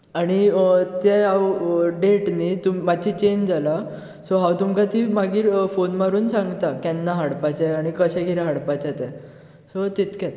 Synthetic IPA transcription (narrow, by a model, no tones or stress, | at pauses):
aɽ̃it̪eawɖeʈnit̪ummat͡ɕit͡ɕend͡zala | soɦawt̪umkat̪iːmaɡiːɾfonmaɾuːnsãŋɡt̪akɛnːaɦaɽpat͡ɕɛaɽ̃ikəɕɛ̃kiɾaɦaɽpat͡ɕat̪ɛ | sot̪it̪kjɛt̪